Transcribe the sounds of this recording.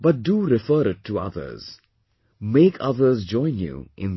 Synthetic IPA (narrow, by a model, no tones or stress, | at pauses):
b̥ʌt̚duɾɪfəːɾɪtʰːuʌ̰ðə̰˞z̥ | meːkʰʌ̰ðə˞zd͡ʒɔ̃ɪ̃njṵʔɪ̰̃n